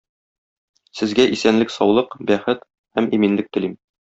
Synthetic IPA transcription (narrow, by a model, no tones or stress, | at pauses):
sɘ̆zɡæʔisænlɘksɒwlˠɤqbæχɘt̪ | hæmiminlɘk̚t̪ɘ̆lim